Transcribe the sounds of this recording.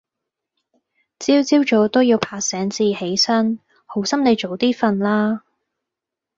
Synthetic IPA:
t͡siː˥wt͡siː˥wt͡ʃɔː˨˥t̪o˥wjiː˧wpʰaː˧sɛː˨˥ŋt͡siː˧he˨˥jsɐ˥n | ho˨˥wsɐ˥mne˨˧jt͡ʃo˨˧wt̪iː˥fɐ˧nlaː˥

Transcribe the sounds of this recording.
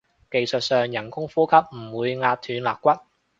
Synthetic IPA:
ke˨jsɵ˨t̚sœː˨ŋjɐ˨˩nkʊ˥ŋfuː˥kʰɐ˥p̚m̩˨˩wuː˨˧jŋaː˧t̚t̪ʰyː˨˧nlaː˨kːʷɐ˥t̚

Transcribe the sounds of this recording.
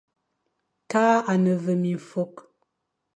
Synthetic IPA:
taː˦a˨nə˨və˨mi˨ɱ˨fo˦k

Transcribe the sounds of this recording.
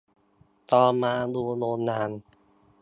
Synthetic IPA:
t̪ɔː˧maː˧duː˧loː˧nːaː˧n

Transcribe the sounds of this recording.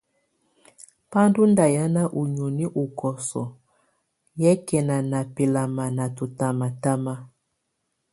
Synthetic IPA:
pa˦ndu˦nda˨ja˦na˦ʔu˨ɲu˨ni˦ʔu˨kɔ˨sɔ̰˨ | jɛ˦kɛ˨na˨na˨pe˨la˨ma˨na˨tu˨ta˨ma˨ta˦ma˦

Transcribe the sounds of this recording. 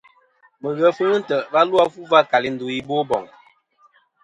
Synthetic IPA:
mə˨ɣə˨˦fə˦ŋə˦n̩˦tə˨ba˦lu˦a˦fu˦va˦ka˨li˦n̩˦do˨i˦bo˦bɔ˨ŋ

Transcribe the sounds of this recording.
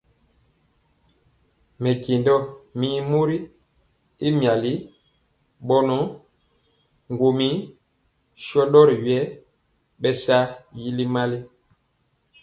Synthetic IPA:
mɛ˨ke˨ndɔ˦mi˦mu˦ɾi˦ | i˦mja˨li˦ | ɓɔ˦nɔ˨˦ | ŋɡo˨mi˦ | ʃɔ˦ɗɔ˦ɾi˨ɥɛ˦ | ɓɛ˦sa˦ji˦li˦ma˦li˦

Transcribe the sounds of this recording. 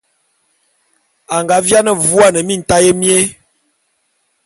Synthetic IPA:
a˨ŋɡa˨˦vja˦nə˦vu˦a˦˨nə˨mi˦˨n̩˨ta˦je˦mje˦

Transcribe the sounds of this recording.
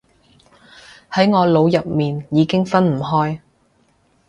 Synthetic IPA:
hɐ˨˥jŋɔː˨˧lo˨˧wjɐ˨p̚miː˨njiː˨˧kɪ˥ŋfɐ˥nm̩˨˩ɦɔː˥j

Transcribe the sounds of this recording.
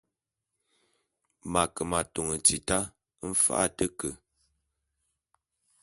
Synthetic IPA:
ma˨kə˨ma˨to˨ŋə˨t͡si˨ta˦ | m̩˦fa̰˦ʔa̰˦˨tə˦kə˨

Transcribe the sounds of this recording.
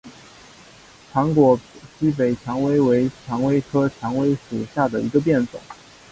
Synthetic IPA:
ʈ͡ʂʰɑ˧˥ŋkwɔ˨˩ɕi˥p̬e˨˩ɪt͡ɕʰjɑ˧˥ŋwe˥ɪwe˧˥ɪt͡ɕʰjɑ˧˥ŋwe˥ɪkʰɤ˥t͡ɕʰjɑ˧˥ŋwe˥ɪʂu˨˩ɕja˥˩d̪ə˩i˧˥ɡə˧p̬jɛ˥˩nt͡sʊ̰˨˩˦ŋ

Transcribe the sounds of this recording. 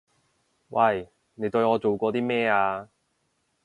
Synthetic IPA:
wʔɐ˧˨j | ne˨˧jt̪ɵ˧ɥŋɔː˨˧t͡so˨wkʷɔː˧t̪iː˥mɛː˥aː˧

